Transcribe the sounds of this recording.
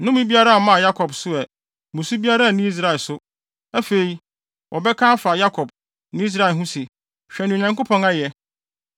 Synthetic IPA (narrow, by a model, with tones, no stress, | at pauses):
nʊ̃˦mĩ˦bi˦a˦ɾa˦a˨mã˦˨ja˦kʰɔ˨bsʊ˦ɛ˨ | mʊ̃˨su˦bi˦a˦ɾa˦˨nĩ˦i˦s̬ɾa˨ɪ˨sʊ˦ | æ˦fe˨i˨˦ | wʔɔ˨bɛ˦kʰã˦fa˨ja˦kʰɔ˨b̚ | nɪ̃˦i˦s̬ɾa˦˨ɪ˨ɦũ˦si˨ | ɕᶣɛ˨nʊ̃˨ɲã˨ŋkʊ˦pʰɔ̃˨ŋa˦jɛ˨